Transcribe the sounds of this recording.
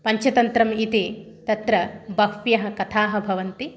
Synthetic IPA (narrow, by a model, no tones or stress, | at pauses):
pɐɲt͡ʃʰɐt̪ɐnt̪ɾɐmit̪i | t̪ɐt̪ɾɐbɐkpjɐɦɐkɐt̪ʰaːɦɐ̆bʱɐʋɐnt̪i